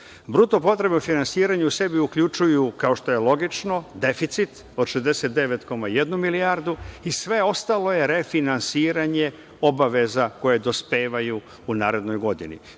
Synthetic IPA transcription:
bɾut̪opo̞t̪ɾe̞bnofinansiːɾaɲeuse̞biukʎut͡ʃujukaoʃt̪o̞jelˠo̞ɡit͡ʃno̞d̪e̞fit̪sit̪ | o̞d̪ʃezd̪e̞set̪̚d̪eʋet̪ko̞maje̞d̪numiliaːɾd̪uisʋe̞o̞st̪alo̞je̞ɾefinansiːɾaɲe̞ | o̞baʋe̞zako̞jed̪o̞spe̞ːʋaju | unaːɾe̞d̪no̞jɡo̞d̪ḭnḭ

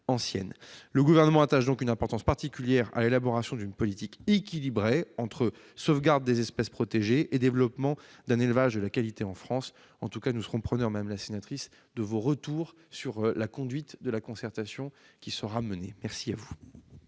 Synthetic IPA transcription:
ɑ̃sjɛ̰nləɡuvɛʁnəmɑ̃at̪aʃd̪ɔ̃kynɛ̃pɔʁt̪ɑ̃spaʁt̪ikʲyljɛʁa̰lelabɔʁasjɔ̃d̪ynpɔlit̪ikekʲilibʁeɑ̃t̪χə | sovɡaʁd̪ːezɛspɛspχɔt̪eʒeʔed̪evlɔpmɑ̃d̪ɛ̃nelvaʒd̪əlakalit̪eɑ̃fχɑ̃s | ɑ̃t̪ukanusəʁɔ̃pχənœʁmɛmlasenat̪χis | d̪əvoʁət̪uʁ | syʁlakɔ̃d̪ɥit̪d̪əlakɔ̃sɛʁt̪asjɔ̃kʲisəʁamənemɛʁsiavu

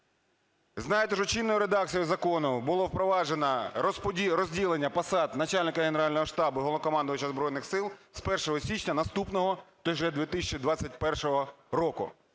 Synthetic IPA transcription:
znɑjet̪ɛʃɔt͡ʃinːɔjʊɾed̪ɑk̚t͡sʲijʊzɐkoɔnʊbʊlˠɔwpɾɔʋɑʒenɐspʲiɾɔzʲdʲilˠenʲːɐpɐsɑd̪nɐt͡ʃalʲnɪkɐɦeneɾɑlʲnɔɦɔʃt̪ɑbʊɦɔlˠɔkɔmɑnd̪ʊjʊt͡ʃɐzbɾɔjnɪxsɪlˠspɛrʃɔɦɔsʲit͡ʃnʲɐnɐst̪upnɔɦɔt̪ɔʒɛd̪ʋʲit̪ɪsʲt͡ʃid̪ʋɑt͡sʲɐt̚ʲpɛrʃɔɦɔɾɔkʊ̰

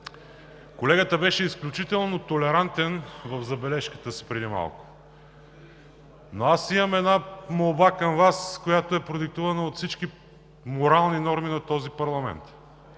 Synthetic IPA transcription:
kolɛɡət̪əbɛʃɛisklʲut͡ʃit̪ɛlˠnot̪olɛɾant̪ɛnvəfzɐbɛlɛʃkə̥t̪əsi̥pɾɛd̪ima̰lˠkʊ̥ | noasimɐmɛd̪namolˠbakəmvaskojat̪oɛpɾod̪ik̚t̪uvɐnəot̪fsit͡ʃki | moɾalˠninɔɾminɐt̪ɔzipɐɾlˠɐmɛ̰nt̪

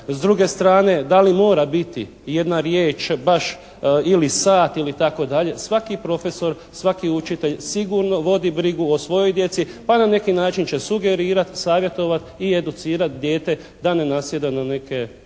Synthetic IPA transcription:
zd̪ɾuɡe̞st̪ɾaːne̞d̪alimo̞ːɾabit̪i | je̞d̪naɾjeːt͡ʃbaʃ | ilisaːt̪ilit̪ako̞d̪aʎe̞sʋakipɾo̞fe̞so̞ɾ | sʋakiut͡ʃit̪e̞ʎsiɡuːɾno̞ʋo̞d̪ibɾiɡuosʋo̞jo̞jd̪je̞t̪sipanane̞kinaːt͡ʃint͡ɕe̞suɡe̞ɾiːɾat̪saːʋje̞t̪o̞ʋat̪ie̞d̪ut̪siːɾat̪̚d̪je̞ːt̪e̞ | d̪anenasjed̪anane̞ke̞

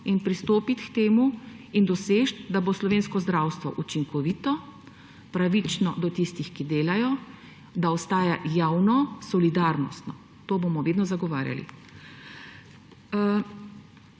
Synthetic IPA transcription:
inpɾist̪oːpit̪kt̪eːmuind̪ɔseːʃt̪d̪aboslɔʋeːnskɔzd̪ɾaːwst̪ʋɔ̰ʔut͡ʃiŋkɔʋiːt̪ɔ | pɾaʋit͡ʃnɔd̪ɔt̪ist̪ixkid̪eːlajɔ | d̪aɔst̪aːjajaːwnɔsɔlid̪aːɾnɔ̰st̪nɔ | t̪oːbomɔʋeːd̪nɔzaɡɔʋaːɾʲja̰lḭ

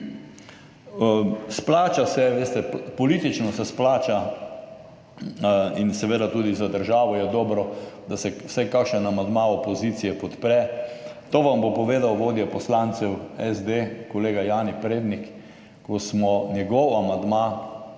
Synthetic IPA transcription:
splaːt͡ʃasɛʋeːst̪ɛpɔliːt̪it͡ʃnɔsɛsplaːt͡ʃa | insɛʋeːd̪at̪uːd̪izad̪əɾʒaːʋɔjɛd̪ɔːbɾɔd̪asɛwsɛjkakʃɛnamand̪maopozit̪sijɛpɔt̪pɾɛt̪oːʋambopɔʋeːd̪awʋoːd̪jɛpɔslaːnt̪sɛwɛzd̪ekɔleːɡajaːnipɾeːd̪nik | kɔsmɔnjɛɡɔwamand̪ma

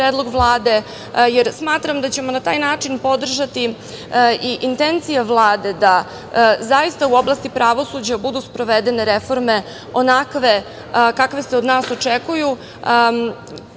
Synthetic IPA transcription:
pɾeːd̪lˠo̞ɡʋlˠaːd̪e̞ | jeɾsmaːt̪ɾamd̪at͡ɕe̞monat̪aːjnaːt͡ʂinpo̞d̪r̩ʒat̪i | iʔint̪ent̪sijaʋlˠaːd̪e̞d̪a | zajist̪auo̞blˠast̪ipɾʔaʋo̞sud͡ʑabud̪uspɾo̞ʋed̪ene̞ɾefo̞ɾme̞ | o̞nakʋe̞ | kakʋe̞seod̪naːso̞t͡ʂekuju

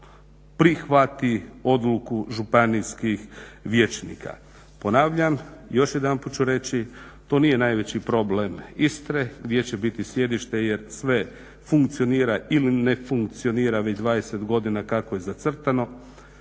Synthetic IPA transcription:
pɾixʋat̪io̞d̪lukuʒupanijskixʋje̞t͡ʃnḭːkʰa̰ | po̞naːʋʎamjo̞ʃjed̪anput͡ʃuɾe̞t͡ɕi | t̪o̞nije̞najʋe̞t͡ɕipɾo̞blemist̪ɾe̞ɡd̪ʲje̞t͡ɕe̞bit̪isje̞d̪iʃt̪e̞je̞ɾsʋe̞ | fuŋkt̪sio̞niːɾailine̞fuŋkt̪sio̞niːɾaʋet͡ɕd̪ʋaːd̪e̞se̞t̪ɡo̞d̪inakakoje̞zat̪sr̩t̪ano̞

